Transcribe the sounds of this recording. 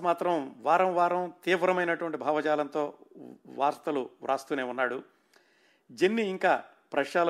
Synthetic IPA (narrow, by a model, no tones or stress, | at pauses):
maːt̪ɾɐmʋaːɾɐmʋaːɾɐmt̪iːʋɾɐmɐjnɐʈuʋɐɳʈibʱaːʋɐt͡ʃaːlɐnt̪o̞ːʋaːɾst̪ɐluɾʔa̰ːst̪uːneːunːaːɽu | d͡ʒenːiːŋkaː | pɾɐʂaːlɐ